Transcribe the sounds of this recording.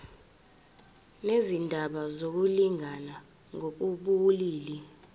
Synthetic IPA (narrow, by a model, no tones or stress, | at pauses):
nezindʱaɓazok̬uliŋʱana | ŋʱok̬uɓuliːli